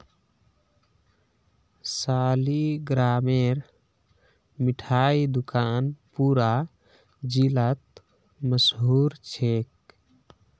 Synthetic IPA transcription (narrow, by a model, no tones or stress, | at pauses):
saːliɡɾaːmeɾ | miʈʰaid̪ukaːnpuːɾa | d͡ʒilət̪̚ | məsɦuːɾt͡ʃʰek̚